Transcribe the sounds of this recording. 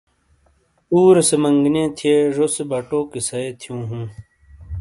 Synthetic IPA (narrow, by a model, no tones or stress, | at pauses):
uːɾsemɐŋɡnẽːt̪ʰieːʐosebɐʈoːkisɐeːt̪ʰijũːɦũː